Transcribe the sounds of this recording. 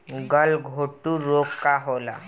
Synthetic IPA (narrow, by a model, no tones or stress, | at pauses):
ɡəlɡʱoʈuːɾokkːaɦola̰